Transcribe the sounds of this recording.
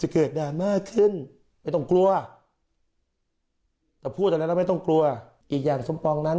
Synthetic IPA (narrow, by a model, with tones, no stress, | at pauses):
t͡ɕa˧˩kɤː˨˩t̪̚daː˧˩nmaː˥˩kʰːɯ˥˩n | ma˥˩jt̪ɔ˥˩ŋklu˧ɐ | t̪ɛː˨˩pʰuː˥˩t̪̚ːma˥˩˨t̪ɔ˥˩ŋklu˧ɐ | ʔiː˨˩k̚jaː˨˩ŋso˨˦mpɔː˧ŋna˦˥n